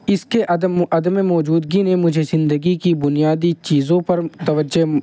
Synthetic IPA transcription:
ɪskeʔɐɐd̪əmemɔːd͡ʒuːd̪ɡinemʊd͡ʒʱezɪ̃nd̪əɡikibʊnijaːd̪it͡ʃiːzõpɐɾt̪ɐʋəd͡ʒe

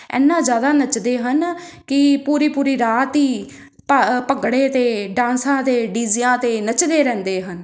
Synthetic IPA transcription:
ɛ̰ːnːãːzjaːd̪aːnət͡ʃd̪eːɦənkɪpuːɾiːpuːɾiːɾaːt̪iː | pəpəɡɽeːt̪eːɖãːnsãːt̪eːɖiːzɪjãːt̪eːnət͡ʃd̪eːɾɛ̃ːnd̪eːɦən

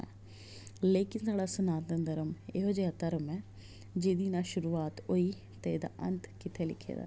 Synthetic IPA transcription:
leːkɪnsaːɽaːsʊnaːt̪ə̃nd̪əɾəmeɦoːd͡ʒeːaːt̪əɾəmɛː | d͡ʒeːd̪iːnãːʃʊɾuːaːt̪oiː | t̪eed̪a̰ːʔɐ̰nt̪kɪt̪ʰeːlɪ̰kʰḛːd̪a̰ː

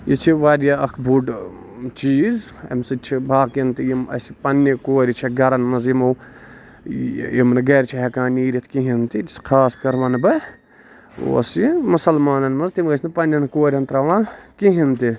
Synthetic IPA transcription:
jit͡ʃʰiʋaːɾjaɐkʰbʱuɖ | t͡ʃiːzɐ̰msɨt͡ʃʰibʱaːkint̪ijimɐ̰sipɐnːikoːɾʲit͡ʃʰiɡɐɾɐnmɐzimɐw | imnɨɡɐːɾʲt͡ʃʰiɦɛkaːniːɾʲit̪ʰkiɦint̪id͡ʒiskʰaːskɐɾʋɐnbɨ | o̰simusɐlmaːnɐnmɐzt̪imɐsʲnpɐnʲːɐnkoːɾʲɐnt̪ɾɐʋãnkiɦint̪i

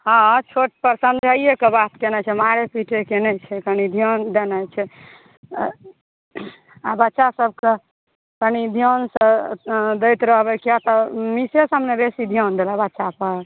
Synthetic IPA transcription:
ɦɔ̃t͡ʃʰoʈpəɾsənd̪d͡ʒʱaijekebat̪kɛnɛt͡ʃʰɛmaɾepiʈʰekenɛt͡ʃʰɛkənid̪ʱijond̪enɛt͡ʃʰɛ | abətːʃasəb̚ke | kənid̪ʱijonsəd̪ət̪ɾəɦbɛkiat̪ɔmisesəmnebesid̪ʱijond̪elabətːʃapəɾ

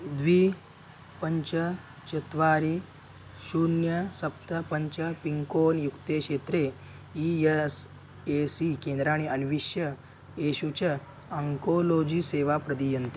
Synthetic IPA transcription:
d̪ʋiː | pəɲt͡ɕə | t͡ɕɐt̪ʋaɾiː | ɕunjəsɐp̚t̪əpəɲt͡ɕəpiŋkonjukt̪ekʂet̪ɾe | ies | esikẽnd̪ɾaːɽ̃iənʋiʂjə | eɕut͡ɕə | əŋkolod͡ʑiːseʋapɾəd̪ijənt̪i

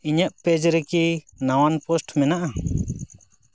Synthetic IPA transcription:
iɲəʔpɛd͡ʒɾɛki | nawanpɔsʈmɛnaʔa

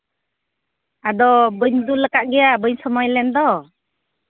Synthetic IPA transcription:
ad̪ɔbəɲd̪uləkaʔɡɛjabəɲsɔmɔjlɛnd̪ɔ

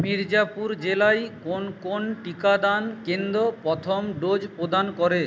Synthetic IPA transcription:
miɾd͡ʑapuɾd͡ʑelajkonkonʈikad̪ankend̪ɾopɾɔt̪ʰomɖod͡ʑpɾod̪ankɔɾe

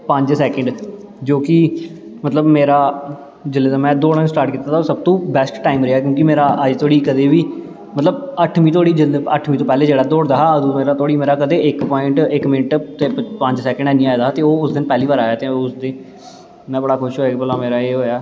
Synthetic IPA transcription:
pəɲd͡ʒsɛːkəɳɖ | d͡ʒoːkɪmət̪ləbmeːɾaː | d͡ʒɪlːeːt̪aːmɛ̃ːd̪oːɽənsʈaːɾʈkiːt̪ːaːt̪ʰaoːsəb̚t̪õːbɛsʈʈaːɪmɾeɦaːk̬jõːk̬imeːɾaːʔəd͡ʒt̪ʰoːɽiːkəd̪eːʋiː | mət̪ləbəʈʰmĩːt̪ʰoːɽiːd͡ʒɪlə̰ʈʰmĩːt̪̬õːpɛːleːd͡ʒeːɽaːd̪oːɽd̪aːɦaəd̪umeːɾaːt̪ʰoːɽiːmeːɾaːkəd̪eːɪkpɔːɪɳʈɪkmɪnəʈt̪eːpə̃ɲd͡ʒsɛːkə̃ɳɖɛːnĩːaːjd̪aːɦːt̪eːoːʊsd̪ɪnpɛːliːʋaːɾaːjaːt̪eːʊsd̪eː | mɛ̃ːbəɽaːkʰʊʃɦoːabəlãːmeːɾaːeːɦoːjaː

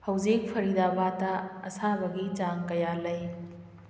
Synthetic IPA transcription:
hɐwd͡ʒik̚pʰɐɾidabataɐ̰sabɐɡid͡ʒaŋkɐjalɐj

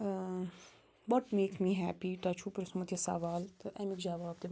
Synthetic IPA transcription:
bɔʈmeːksmiːɦæːpit̪at͡ʃʰupɪɾsmɐt̪ijasa̰ːʋaːlt̪ʔamikd͡ʒaʋaːbd̪e

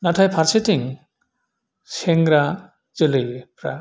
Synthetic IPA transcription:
natʰajpʰaɾsetiŋ | seŋɡɾa | d͡ʒəlɯjpɾa

